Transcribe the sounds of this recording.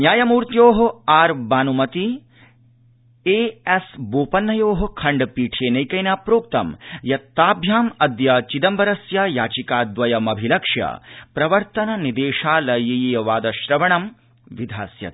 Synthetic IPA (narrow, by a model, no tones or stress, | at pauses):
njaːjɐmuːɾt̪joːɦɐaːɾbaːnumɐt̪i | eːesboːpɐnːɐjoːɦɐ̆kʰɐɳɖpiːʈʰeːnɐjkɐjnaːpɾoːk̚t̪ɐmjɐt̪ːaːbʱjaːmɐd̪jɐt͡ʃid̪ɐmbɐɾɐsjɐjaːt͡ʃikaːd̪ʋɐjɐmɐbʱilɐkʂjɐ̰pɾɐʋɐɾt̪ɐnɐnid̪eːʃaːlɐjijjɐʋaːd̪ɐʃɾɐʋɐɳɐm | ʋid̪ʱa̰ːsjɐ̰t̪